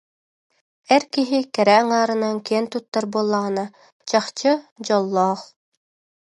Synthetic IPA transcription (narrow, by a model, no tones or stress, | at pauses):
ɛɾkiɦikɛɾɛaŋaːɾɯnaŋkiɛnt̪ut̪ːaɾbuɔlˠːaʁɯna | t͡ɕaχt͡ɕɯd͡ʑɔlˠːɔːχ